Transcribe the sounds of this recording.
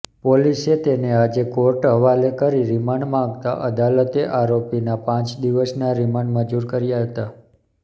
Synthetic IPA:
poliset̪enead͡ʒekoɾʈɦəʋalekəɾiɾimaɳɖmãɡt̪a̰ʔəd̪alət̪eʔaɾopinapãt͡ʃd̪iʋəsnaɾimaɳɖmə̃d͡ʒuɾkəɾjaɦət̪a

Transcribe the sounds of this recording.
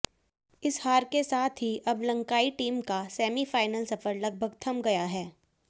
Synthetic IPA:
ɪshaːɾkesaːt̪ʰɦiʔɐblɐ̃ŋkaːiʈiːmkasɛːmifaːɪnəlsɐfəɾlɐɡ̚bʱəɡt̪ʰɐmɡɐjaɦɛː

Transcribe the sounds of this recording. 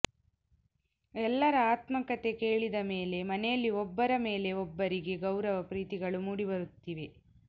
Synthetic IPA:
ɛlːɐɾɐaːt̪mɐkɐt̪e̞keːɭid̪ɐme̞ːle̞mɐnejɐlːiɔbːɐɾɐme̞ːle̞ɔbːɐɾiɡe̞ɡɐwɾɐʋɐpɾiːt̪iɡɐɭumuːɽibɐɾut̪ːiʋe̞

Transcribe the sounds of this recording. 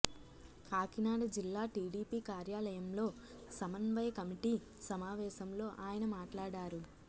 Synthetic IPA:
kaːkinaːɽɐd͡ʒilːaːʈiːɽiːpiːkaːɾjaːlɐjɐmlo̞ː | sɐmɐnʋɐjɐkɐmiʈiː | sɐmaːʋɛːʃɐmlo̞ːʔaːjɐnɐmaːʈlaːɽaːɾu

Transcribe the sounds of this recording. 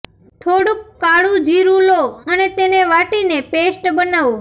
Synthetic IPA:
ʈʰoːɽʊkːaːɽuːd͡ʒiːɾũːloːəneːt̪eːnẽːʋaːʈiːnẽːpeːsʈbənaːʋoː

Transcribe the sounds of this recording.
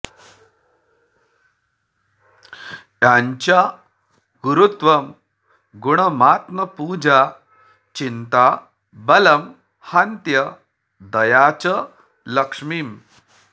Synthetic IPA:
jjaɲt͡ɕja | ɡuɾut̪ʋəm | ɡuɽ̃əmat̪məpuːd͡ʑa | t͡ɕint̪a | bələm | hant̪jə | d̪əjat͡ɕə | ləkʂmiːm

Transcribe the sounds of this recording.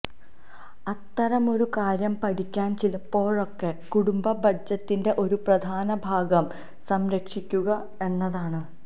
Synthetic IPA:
ɐt̪ːɐɾɐmo̞ɾukaːɾjɐmpɐʈikʲːaːnt͡ɕilɐpːo̞ːɻo̞kːe̞kuɽumbɐbʱɐd͡ʑɐt̪ːinde̞ʔo̞ɾuprɐd̪ʱaːnɐbʱaːɡɐm | sɐmɾɐkʂikʲːuɣɐ | e̞nːɐðaːɳɨ

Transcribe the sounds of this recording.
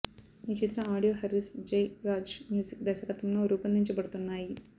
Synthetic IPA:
nit͡ʃit̪ɾɐaːɽijoːɦɐɾisd͡ʒejɾaːd͡ʒmjuːsikd̪ɐʃɐkɐt̪umnuɾuːpɐnd̪ʱiɲt͡ʃɐbɐɽut̪unːaːji

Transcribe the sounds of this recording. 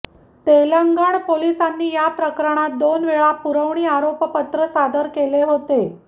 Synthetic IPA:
t̪elaŋɡaɳpolisanːiːjapɾəkɾəɽ̃at̪̚d̪onʋeɭapuɾəʋɳiːaɾopəpət̪ɾəsad̪əɾkeleɦot̪e

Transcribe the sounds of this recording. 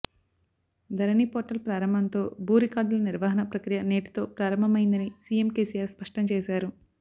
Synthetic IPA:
d̪ʱɐɾɐniːpoːʈɐlpɾaːɾɐmbʱɐnt̪o̞ːbʱuːɾikaːɾɖulɐniɾʋaːɦɐnɐpɾɐkɾijɐneːʈi̥t̪o̞ːpɾaːɾɐmbʱɐmɐjind̪ɐnisiːemkeːsijaːɾspɐʂʈɐmt͡ʃɛːsaːɾu

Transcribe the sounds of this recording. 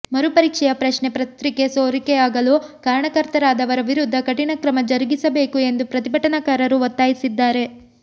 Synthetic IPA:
mɐɾupɐɾiːkʂɛjɐpɾɐʃɳepɾɐt̪ɾike̞soːɾikeaːɡɐlukaːɾɐɳɐkɐɾt̪ɐɾaːd̪ɐʋɐɾɐʋiɾud̪ʱːɐkɐʈinɐkɾɐmɐd͡ʒɐɾiɡisɐbe̞ːkue̞nd̪upɾɐt̪ibʱɐʈɐnɐkaːɾɐɾuʋɔt̪ːaːjisid̪ːaːɾe̞

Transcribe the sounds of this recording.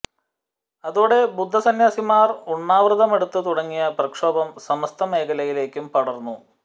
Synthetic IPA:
ɐðuːɽe̞bud̪ʱːɐsɐnjaːsimaːruɳːaːʋrɨðɐme̞ɽut̪ːɨt̪uɽɐŋːijɐprɐkʂo̞ːbɐmsɐmɐst̪ʰɐme̞ːkɐlɐjile̞ːkʲːumpɐɽɐrnːu

